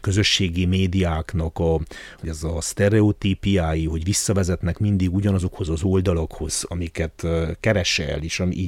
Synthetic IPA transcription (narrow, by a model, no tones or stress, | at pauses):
kø̞zø̞ʃːeːɡimeːd̪ijaːknɒkɒɛzɒst̪ɛɾɛot̪iːpijaːjiɦo̞ɟʋisːɒvɛzɛt̪nɛkmind̪iɡuɟɒnɒzo̞kho̞zɒzo̞ld̪ɒlɒkho̞z̥ɒmikɛt̪kɛɾɛʃɛ̰leːʃɒmiː